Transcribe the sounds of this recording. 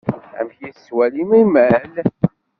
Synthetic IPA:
æ̰mçjiswælimimæl

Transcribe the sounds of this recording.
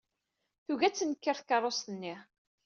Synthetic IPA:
θuɣæt͡sːənkːəɾˤθkɑɾˤːost̪ənːi

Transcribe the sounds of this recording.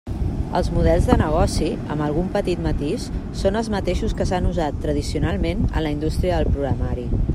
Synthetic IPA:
ə̰lˠzmuðɛlˠzðənəɣ̞ɔsiə̰mbəlˠɣumpət̪it̪mət̪iʃsonəlˠzmət̪eʃuskəsanuzat̪ːɾəð̞isiunalˠmenə̰nləind̪ust̪ɾiəðəlˠpɾuɣɾəmaɾi

